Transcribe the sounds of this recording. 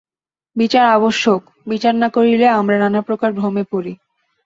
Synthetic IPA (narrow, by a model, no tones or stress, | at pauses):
bit͡ɕaɾaboʃːok | bit͡ɕaɾnakoɾileamɾaɾanapɾokaɾbʱɾomepoɾi